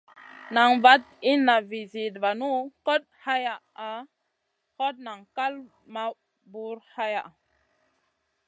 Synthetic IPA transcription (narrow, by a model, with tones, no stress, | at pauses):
na˨ŋva˦t̚ | i˦nːa˨vi˨zi˨tva˨nu˦ko˦t̚ha˦ja˨ | a˨ | ko˦t̚na˨ŋka˦l | ma˨ | bu˨ɾha˦ja˨ʔa˨